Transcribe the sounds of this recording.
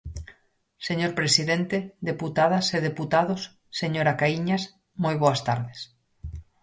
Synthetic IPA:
seɲoɾpɾesiðent̪eðeput̪aðaseðeput̪aðosː | eɲoɾakaiɲas | mojβoast̪aɾðes

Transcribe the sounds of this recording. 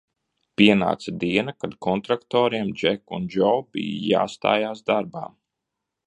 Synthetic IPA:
piɛna̰ːt̪sad̪iɛnakad̪kʰɔnt̪ɾakt̪ɔːɾiɛmd͡ʒɛkund͡ʒɔwbḭj̰ja̰ːst̪a̰ːjaːsd̪aɾba̰ːm

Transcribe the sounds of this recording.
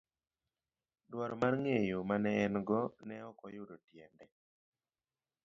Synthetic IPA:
dwɔɾɔmarŋejomanɛːnɡɔnɛɔkɔjʊdotjɛndɛ

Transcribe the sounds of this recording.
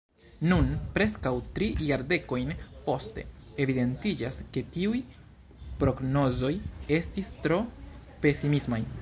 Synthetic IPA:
nunpɾe̞skawtɾijaɾde̞ko̞jnpo̞ste̞̰ | evide̞ntid͡ʒaske̞tiuj | pɾo̞ɡno̞zo̞je̞stistɾo̞ | pe̞simismaj

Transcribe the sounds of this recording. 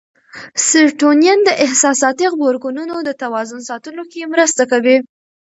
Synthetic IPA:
sɪɾʈonjand̪əʔɪhsɑsɑt̪iɣboɾɡununod̪ət̪awɑzʊnsɑt̪əlokemɾəst̪akawi

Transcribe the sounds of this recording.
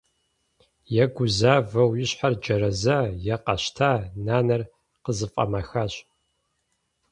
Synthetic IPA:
jɛɡʷʊzaːvɐwjɪɕħard͡ʒɐɾɐzajɛqɐɕtʰaːnaːnɐr | qəzɨfʼɐ̰mɐxaɕ

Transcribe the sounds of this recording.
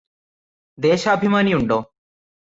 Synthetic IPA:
d̪eːʃabʱimaniuɳɖo

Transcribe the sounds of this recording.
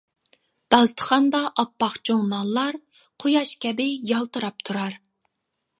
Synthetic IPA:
d̪̥ɑst̪ʰə̥χɑnd̪ɑʔɑpːɑχt͡ʃʰoŋnɑnlˠːɑɾ | qʰojɑʃkʲʰɛbɪjɑlˠt̪ɨɾɑp̚t̪ʰuɾɑɾ

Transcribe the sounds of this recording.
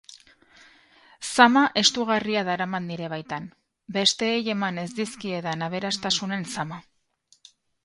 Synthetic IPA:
samaʔe̞st̪uɣariaðaɾamand̪iɾe̞β̞ajt̪an | be̞st̪e̞ːje̞mane̞zd̪iskie̞ðanaβ̞e̞ɾast̪asune̞nsama

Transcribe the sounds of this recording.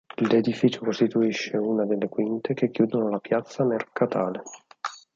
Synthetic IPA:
led̪ifiːt͡ʃokost̪it̪uiʃːeuːnad̪elːekwint̪ek̟ekːjuːd̪onolapjat̪sːamerkat̪aːle

